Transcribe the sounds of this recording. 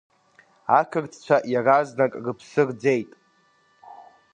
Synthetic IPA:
akʰɨrt͡sʰt͡ʃʷʰaʔjaraznakʼrɨpʰsɨrd͡zejtʼ

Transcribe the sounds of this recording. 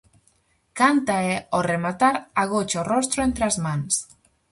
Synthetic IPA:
kant̪aeoremat̪aɾaɣ̞ot͡ʃorost̪ɾoent̪ɾeazmans

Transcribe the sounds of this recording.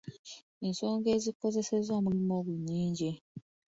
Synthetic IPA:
ensoːŋɡeːziko̞ze̞se̞zoːmuɾimoɡuɲːiːɲɟi

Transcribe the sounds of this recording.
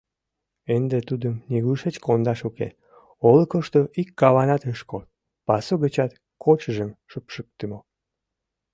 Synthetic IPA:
end̪et̪ud̪əmniɣuʃet͡ɕkond̪ɑʃukḛ | oləkəʃt̪oikːɑβɑnɑt̪əʃkot̪̚ | pɑsoɣət͡ɕɑt̪ | kʰot͡ɕəʒəmʃəpʃək̚t̪əmo

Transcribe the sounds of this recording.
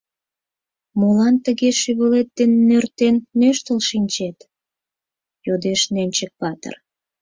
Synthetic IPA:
molɑnt̪əɣeʃyβəlet̪ːenːørt̪enːøʃt̪əlʃinʲt͡ɕet̪ | jod̪eʃnenʲt͡ɕək̚pɑt̪ə̰r

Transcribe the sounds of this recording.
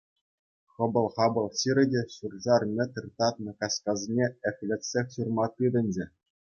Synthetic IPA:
χɤ̆bɤ̆lˠχɑbɤ̆lˠɕiɾʲɘ̆dʲeɕurʐɑrmʲĕt̪ʲɯrʲt̪ɑt̪̚nɤ̆kɑskɑzʲinʲeɘ̆fʲlʲĕtʲsʲexʲɕurmɑt̪ːɯdʲɘ̆nʲd͡ʑɘ̆

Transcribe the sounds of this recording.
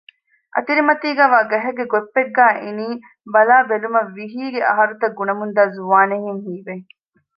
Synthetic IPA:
ʔɐ̰t̪iɾimɐt̪iːɡæːʋaːɡɐɦɐɡeɡopːeɡːæːʔiniː | bɐlaːbelumɐʋːiɦiːɡeʔɐ̰ɦɐɾut̪ɐɡːunɐmund̪aːzuʋaːneɦeŋɦiːbeŋ

